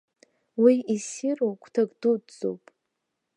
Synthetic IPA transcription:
wiisirowkʷʼʰtʰakʼdudd͡zo̰wpʼ

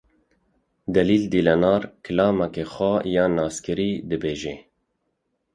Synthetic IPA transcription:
d̪ɛliːld̪iːlɛnɑːɾkʰɨlɑːmakexɔjɑːnɑːskɨɾiːd̪ɨbeːʒe

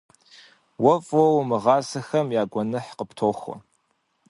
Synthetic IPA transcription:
wɐfʼɔwmɨʁɑːsɐxɐmjaːɡʷɔnɨħqəptʰoːxʷɔ̰

